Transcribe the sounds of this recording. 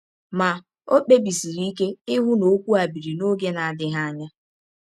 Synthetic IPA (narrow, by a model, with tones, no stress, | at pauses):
ma˨ | o˦k͡pe˦bi˨si˨ɾi˦i˦ke˦ɪ˦ɦʊ˦no˨˦kʷu˦a˨bi˨ɾi˨no˦ɡe˦na˨a˨dɪ˦ɦa˦a˦ɲa˦